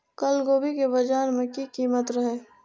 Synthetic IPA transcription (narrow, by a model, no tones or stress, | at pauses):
kəlɡoːbʱikebɐd͡ʒaːɾmẽkikiːmət̪ɾɐɦeː